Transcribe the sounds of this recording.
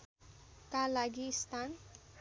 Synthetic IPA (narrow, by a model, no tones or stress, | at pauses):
kalaɡist̪ʰan